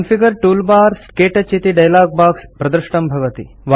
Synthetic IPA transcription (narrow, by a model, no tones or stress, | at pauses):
nfiɡəɾʈuːlbaːɾskeːʈɐt͡ɕːit̪iɖɐjlaːɡ̚baːkspɾɐd̪ɾɨʂʈɐmbʱɐʋɐt̪ḭ | ʋ